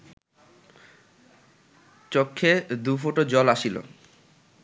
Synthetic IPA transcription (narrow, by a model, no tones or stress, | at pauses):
t͡ɕokʰːed̪ufoʈod͡ʑɔlaʃilo̰